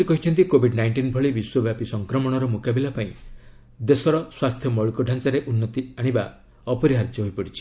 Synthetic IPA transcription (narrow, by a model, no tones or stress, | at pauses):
ikɔɦit͡ʃʰɔnt̪̬ikobʱiɖnajɳʈinbʱɔɭibiswɔbjapisɔŋkɾɔmɔɽ̃ɔɾɔmukabilapaĩ | d̪esɔɾɔswast̪ʰjɔmɔɭukɔɖʱant͡ʃaɾeʔunːɔt̪iaɽ̃iba | ɔpɔɾiɦaɾd͡ʒ̪jɔɦojpɔɽit͡ʃʰi̥